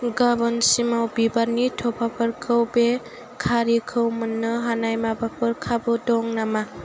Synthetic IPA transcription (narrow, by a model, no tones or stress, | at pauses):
ɡabɔnsimawbibaɾnitʰɔpʰapʰɯɾkʰɯwbe | kʰaɾikʰɯwmɯnːɯɦanajmabapʰɯɾkʰabɯdɔŋnama